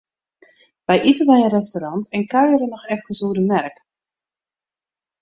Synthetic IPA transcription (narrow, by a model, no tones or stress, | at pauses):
ʋɛjʔitəʋɛjənrɛstoɾɑntɛnkœɥjəɾənɔxɛfkəsuədəmɛrk